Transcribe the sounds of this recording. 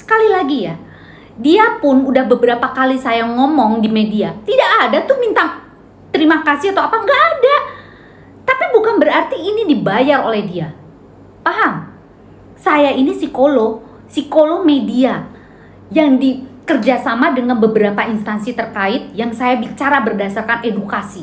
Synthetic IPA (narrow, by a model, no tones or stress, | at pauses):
sə̥kalilaɡija | diapʊnudahbəbəɾapakalisajaŋɔmɔŋdimediat̪idaʔːdat̪ʊhmint̪a | t̪əɾimakasɪhat̪awapaŋɡaʔːda | t̪apibukanbəɾart̪iːnidibajaro̰lɛhdia | paɦaŋ | sajainisikolo | sikolomedia | jaŋdikərd͡ʒasamadəŋanbəbəɾapainst̪ansit̪ərkaɪt̪̚jaŋsajabit͡ʃaɾabərdasarkanedukasi